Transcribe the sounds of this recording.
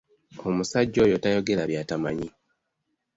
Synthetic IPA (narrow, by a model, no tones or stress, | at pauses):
o̞musaɟːo̞ːjo̞tajo̞ɡe̞laβjaːtamaɲi